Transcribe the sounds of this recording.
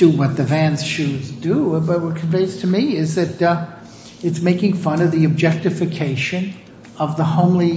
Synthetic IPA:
ɨwʌt̪̚ðɨvæ̃nz̥ʃʉzdɨbʌt̚wʌt̚kʰɨ̃ɱvɪ̃nstʰɨmiɪzðɨɾ | ɨtsmeɪkɪ̃ŋfʌ̃nʌvðiɨb̚d͡ʒɛk̚tɨfɨkʰeɪʃɨ̃n | ʌvðəhõʊ̃mli

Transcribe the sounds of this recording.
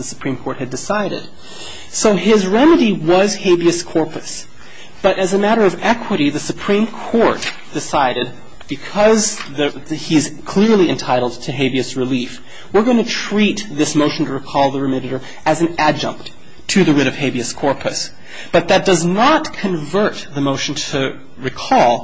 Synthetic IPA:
ðəsə̥pʰɹ̥ĩmkʰɔɹt̚hɨdɨsaɪɾɨ̰d̥ | soʊɪzɹɛmɨɾiwʌz̥heɪbiɨskʰɔɹpɨs | b̥ʌɾʔɨzɨmæɾə˞ʌvɛkʰwəɾiðɨsɨpʰɹ̥ĩmkʰɔɹt | d̥ɨsaɪɾɨd̚ | b̥ɨkʰʌz | iz̥kʰl̥ɪɹlˠiɨ̃ntʰaɪɾl̩ˠd̚tʰɨɦeɪbiɨsɹɨlif | wɨɹɡʌ̃ñɨtʰɹ̥it̪̚ðɪsmoʊʃn̩tʰɨɹɨkʰɔlˠðəɹɨmɛɾɨɾə˞ | ɨz̃n̩æd͡ʒʌ̰̃mp̚ | tʰɨðɨɹɪɾʌv̥heɪbiɨskʰɔɹpʰɨs | b̥ʌt̪̚ðɨt̚d̥ʌznət̚kʰɨ̃ɱvɜ˞t̪̚ðɨmoʊʃn̩tʰɨ | ɹɨkʰɔlˠ

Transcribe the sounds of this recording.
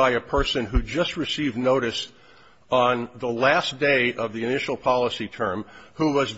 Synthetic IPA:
aɪɨpʰɜ˞sɨ̃nɦʉd͡ʒʌst̚ɹɨsivnoʊɾɨs | n̩ðəlæsd̥eɪʔʌvðiɨnɪʃl̩ˠpʰɑlˠəsitʰɜ̃˞mhuwʌz

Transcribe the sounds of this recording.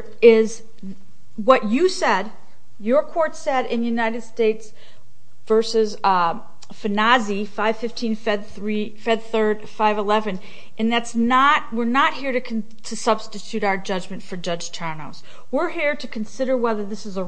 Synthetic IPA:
ɪz | wʌt͡ʃɨsɛd | jə˞kʰɔɹtsɛɾɪ̃nɨjʉnaɪɾɨd̥steɪts | v̥ɜ˞sɨz | fɨnazifaɪv̥fɪftʰĩnfɛd̪̚θɹi | fɛd̪̚θɜ˞d̥faɪvəlɛvɨ̃n | ʔɨ̃nðætsnət̚wɪɹnət̚hiɹɾɨkʰ | tʰɨsʌb̥stɨtʰʉɾaʊə˞d͡ʒʌd͡ʒmɨ̃n̩tfə˞d͡ʒʌd̥ʒ̥tʰɹ̥anoʊz̥ | wɪɹhiɹɾɨkʰn̩sɪɾə˞wɛðə˞ðɪsəzə

